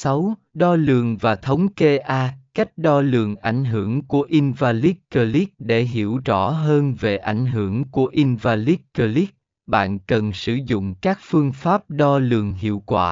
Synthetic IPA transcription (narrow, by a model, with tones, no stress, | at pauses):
sa˨˦wɗɔ˧lɨ˨˩əŋvaː˨˩t̪ʰə˨˦wŋ͡mke˧ʔaː˧ka˦˥jk̟̚ɗɔ˧lɨ̰˧˨˩əŋʔa˧˩jŋ̟ɦɨ˧˩əŋku˧˩əʔi˧nvaː˧li˦˥t̚kəː˧li˦˥k̚ɗe˧˩ɦi˧˩əwt͡ɕɔ˧˩ɦəː˧nve˨˩ʔa˧˩jŋ̟ɦɨ˧˩əŋku˧˩əʔi˧nvaː˧li˦˥t̚kəː˧li˦˥k̚ | ɓa̰ː˧˨nkə˨˩nsɨ˧˩zʊ̰˧˨ŋ͡mkaː˦˥k̚fɨ˧əŋfaː˦˥p̚ɗɔ˧lɨ̰˨˩əŋɦḭ˧˨əwkwa̰ː˧˩